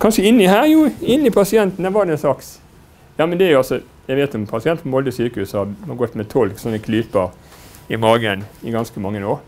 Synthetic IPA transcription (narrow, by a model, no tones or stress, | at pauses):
kʰɑnʂəɪnːɪhæːɾjuːɪnːɪpʰɑsɪɛnt̪n̩æʋɑɾd̪ɛɛnsɑks | jɑːmɛnd̪ɛæɾjʊɑsɔ | jæɪʋeːt̪jʊʊmpʰɑsɪɛnt̪n̩mɔld̪əsyːkəhʉːsɑɑɡɔt̪ːmɛt̪ʰɔlksɔnːəkʰliːpəɾ | ɪmɑːɡənɪɡɑnskəmɑŋːənoːɾ